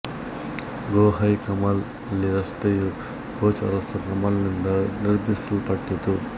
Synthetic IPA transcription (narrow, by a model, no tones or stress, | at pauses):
ɡoːɦɐjkɐmaːl | ɐlːiɾɐst̪eju | kʰoːt͡ʃɐ̰ɾɐst̪ɐkɐmaːlnind̪ɐniɾbist̪upɐʈːit̪u